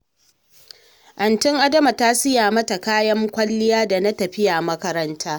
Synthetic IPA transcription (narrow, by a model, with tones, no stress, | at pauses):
ʔɐ˨ntɪ˦ŋʔa˦dɐ˦ma˨ta˦sɪ˦jaː˨mɐ˦ta˨kaː˦jɐ˦ŋkʷɐ˦lːɪ˦jaː˦da˨na˦tɐ˨ɸɪ˦ja˨ʔmɐ˦kɐ˦ɾɐ˦ntʰaː˦